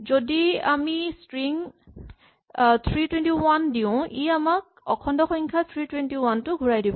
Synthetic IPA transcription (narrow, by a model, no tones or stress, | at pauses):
zodiamistɹiŋ | t̪ʰɹitwɛntiwandiʊ̃iamak̚ɔkʰɔndɔxɔŋkʰat̪ʰɹitwɛntiwantʊɡʱuɹajdibɔ